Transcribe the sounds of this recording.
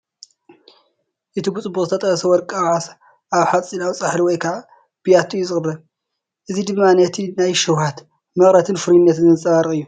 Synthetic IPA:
ʔɨt̪ʰiɡut͡sʼɨbːuχʼzɨt̪ʰɐt̪ʼɐxɐsɐwɔɾkʼawʕas | ʔaβħat͡sʼinawt͡sʼaħliwɔjkʰaʕa | b̥ɨjat̪ʰːujːuzɨχʼɨrːɐ | ʔɨzid̪ɨmːanɐt̪ʰinajʃɐwhat̪ | mɐxɾɐt̪ʰɨnfɨɾnːɐt̪nɨnzɨt͡sʼɐβaɾɨkʼɨjːu

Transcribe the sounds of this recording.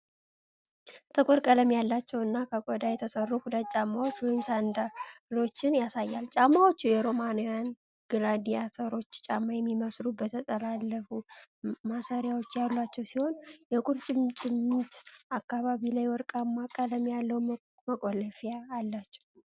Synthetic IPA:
t̪ʰɨkʷʼʊɾkʼələmjalːat͡ʃːɛwɨnːakʰəkʼɔd̪ajɛt̪ʰəsərːukud̪at͡ʃʼamːawot͡ʃːwɔjɪmsand̪alo̞t͡ʃːɪnjasajːalt͡ʃʼamːawot͡ʃːujɛɾo̞manojan | ɡɨlad̪ijasʰəɾo̞t͡ʃːt͡ʃʼamːajɛmːiməslubət̪ʰət̪ʼəlalːəfumasaɾjawo̞t͡ʃːjalːat͡ʃːɛwsiho̞njɛkʼuɾt͡ʃʼɪmt͡ʃʼɪmːit̪akːaβaβilajwɔɾkʼamːakʼələmjalːəw | məkʼoləfjaalːat͡ʃːɛ̥w

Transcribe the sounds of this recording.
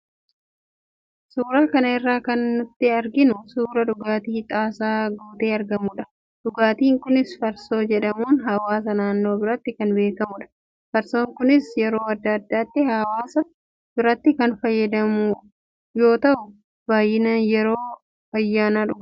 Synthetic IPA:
suːɾaːkɐnɐɪrːaːkɐnːʊt̪ːɪɐɾɡɪnʊsuːɾɐᶑʊɡaːt̪iːt̪ʼaːsaːɡuːt̪eːɐɾɡɐmʊᶑɐ̥ | ᶑʊɡaːt̪iːŋkʊnɪsfɐɾso̞ːd͡ʒɛᶑɐmuːnɦɐwaːs̬ɐnaːnːo̞ːbɪɾɐt̪ːɪkɐnbe̞ːkɐmʊᶑɐ̥ | fɐɾso̞ːŋkʊnɪsjɛɾo̞ːɐd̪ːɐɐd̪ːaːt̪ːɪhɐwaːsɐ | b̥ɪɾɐt̪ːɪkɐnfɐjːɐd̪ɐmʊ | jo̞ːt̪ɐʔʊ | b̥aːjɪnɐjɛɾo̞ː | ɐjːaːnaːᶑʊɡ

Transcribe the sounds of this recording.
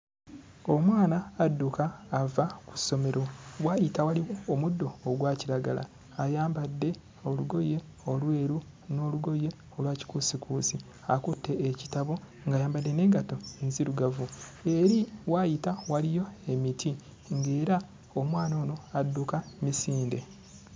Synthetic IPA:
o̞mwaːnaːdːukaːvaku̥sːo̞me̞ɾʔowajitawaliwo̞ːmudːo̞ːɡwaːciɾaɡa̰la̰ː | jaːmbadːe̞ | o̞luɡo̞je̞ | olwe̞ːɾu | no̞ːluɡo̞je̞ | o̞lwaːci̥kusikʰuːsi | akutːe̞ːci̥taβo̞ | ŋɡaːjaːmbadːeneːɡato̞enziɾuɡavue̞ɾiwajitawalijo̞emitʰi | ŋɡeːɾa | omwaːno̞ːno̞adːukamisiːnde̞̰

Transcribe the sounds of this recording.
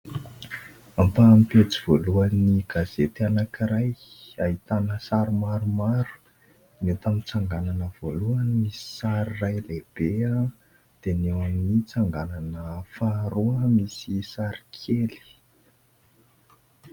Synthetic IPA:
ampampet͡siv̥oluaniɡazet̪anakiɾajaɦit̪anəsaɾumaɾumaɾu̥ | net̪amit͡saŋɡananəv̥oluəmisi̥saɾirajleb̥ea | d̪̥enewamnit͡saŋɡananəfaɾuəmisisaɾikʰeli̥

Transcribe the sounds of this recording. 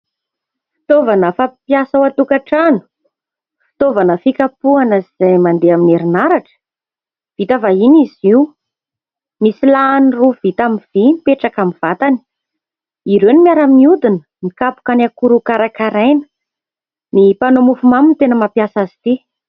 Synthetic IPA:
fi̥t̪ovanəfapjasəwat̪ukaʈ͡ʂanu̥ | fi̥t̪ovanəfikapuanəziz̥ajmand̪eamineɾinaɾaʈ͡ʂə̥ | v̥it̪avaɦiniziw | misilaniruvit̪amiv̥imipeʈ͡ʂakamiv̥at̪ani̥ | iɾenimiaɾəmiud̪inə | mikapu̥kanakuɾukaɾakaɾajnə̥ | nipanomufumamint̪enəmapjasazi̥t̪i

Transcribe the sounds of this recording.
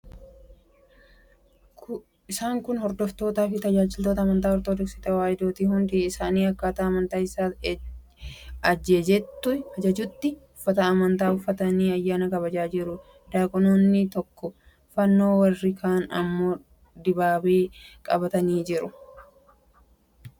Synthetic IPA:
ɪsaːŋkʊnhɔɾd̪ɔft̪o̞ːt̪aːfɪt̪ɐd͡ʒaːd͡ʒɪlt̪oːt̪ɐmɐnt̪aːɔɾt̪oːd̪ɔksɪt̪ɐwaːjɪd̪oːt̪iːhʊnd̪iɪsaːniːɐkːaːt̪aːmɐnt̪aːɪsaː | ɐd͡ʒːeːd͡ʒɛt̪ːʊɐd͡ʒɐd͡ʒʊt̪ːɪʊfːɐt̪ɐɐmɐnt̪aːʊfːɐt̪ɐniːɐjːaːnɐkʼɐβɐd͡ʒaːd͡ʒɪɾʊ | d̪aːkʼɔnoːnːɪt̪ɔkːɔ | fɐnːo̞ːwɐrːɪkʰaːnɐ̰mːo | d̪ɪbaːbeːkʼɐbɐt̪ɐniːd͡ʒɪɾʊ

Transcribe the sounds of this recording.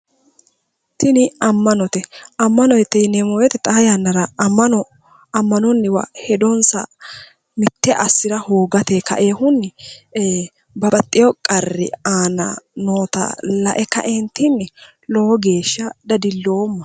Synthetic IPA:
t̪ɪnɪɐmːɐnɔt̪ɛʔɐmːɐnɔjt̪ːɛnɛmoːjɛt̪ɛt̪ʼɐjanːɐɾɐɐɔ | ɐmːɐnɔnːɪwɐ̰hɛd̪ɔnsɐ̰ | mɪt̪ːɛʔɐsːɪɾɐhoːɡɐt̪ekɐ̰ʔeːhʊnːɪ | bɐbʼɐt̪ʼːɪjɔkʼɐrːɪ̰aːnɐ̰noːt̪ɐ̰lɐʔɛkːɐ̰ʔɛnt̪ːɪnːɪ | lɔɔɡe̞ːʃːɐd̪ɐd̪ɪlːoːmːɐ

